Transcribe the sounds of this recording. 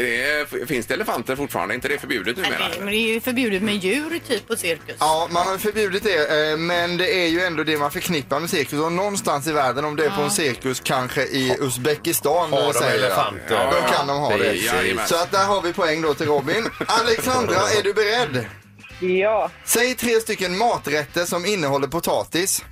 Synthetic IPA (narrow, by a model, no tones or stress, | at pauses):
d̪ɛfɪnsd̪ɛɛləfant̪əɾfʊʈːfɑ̰ɾa̰nd̪ɪnt̪əd̪ɛfœɾbjʉ̟ːd̪ət̪̚nʉːɛ̰d̪ɛfœɾbjʉ̟ːd̪ət̪mɛjʉ̟ːɾt̪ʰyːpʰːɔsɪɾkəsɑːmanhaɾjɵfœɾbjʉ̟ːd̪ɪt̪̚d̪ɛmɛnd̪ɛæɾjɵɛnd̪od̪ɛmanfœɾkʰnɪpːaɾmɛsɪɾkɵsɔnɔnːst̪ansɪvæːɖənɔmd̪ɛæɾpʰɔɛnsɪɾkɵskʰanɧəʔɪɵsbɛkɪst̪ɑːnːɔmasɛjːə | ɔkʰand̪ɔmɦɑ̰ːd̪ɛsɔat̪̚d̪æɾɦaɾvɪpʰɔɛŋːd̪ɔt̪ʰɪlɾɔbːɪnalɛksand̪ɾaæɖɵbɛɾɛd̪ː | sɛjt̪ʰɾeːst̪ʏkːənmɑːt̪ɾɛt̪ːəʂɔmɪnːəɦɔlːəɾpʊt̪ʰɑ̰ːt̪ɪs